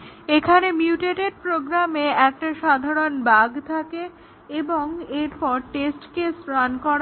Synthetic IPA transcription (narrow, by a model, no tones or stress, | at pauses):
ekʰanemjiuʈeʈeɾpɾoɡɾameɛk̚ʈaʃad̪ʱaɾonbaɡt̪ʰake | eboŋeɾpɔɾʈesʈkesɾankɔɾ